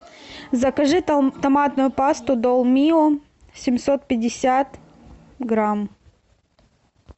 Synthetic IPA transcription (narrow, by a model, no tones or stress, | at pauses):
zɐkɐʐɨt̪ɐmat̪nʊjʊpast̪ʊd̪olˠmʲio | sʲɪmʲsot̪̚pʲɪdʲɪsʲat̪ | ɡɾam